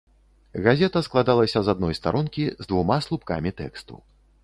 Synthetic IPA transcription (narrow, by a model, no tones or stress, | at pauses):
ɣazʲɛt̪ɐsklˠad̪alˠɐsʲɐzad̪nɔjst̪a̰ɾunkʲizd̪vumaslˠupka̰mʲit̪ɛ̰kst̪ṵ